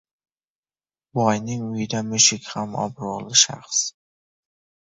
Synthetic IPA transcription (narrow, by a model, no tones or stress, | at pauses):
bɒjnɪŋʊjɪd̪amɵʃɪkʲhamɒ̰bɾʊʁlˠɪʃa̰χs